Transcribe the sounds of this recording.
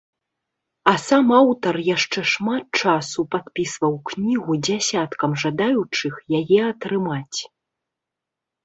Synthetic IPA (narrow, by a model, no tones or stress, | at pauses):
ɐsamawt̪ɐrjaʂt͡ʂɛʂmat̪̚t͡ʂasupat̪̚pʲisvɐwknʲiɣud͡zʲasʲat̪kɐmʐad̪ajut͡ʂɨxjajɛɐt̪ɾɨmat͡sʲ